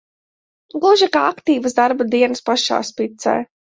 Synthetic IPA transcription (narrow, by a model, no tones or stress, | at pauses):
ɡˠuʒikaakt̪iːvəzd̪aɾbad̪iɛnɨspaʃa̰ːspit̪sɛ̰ː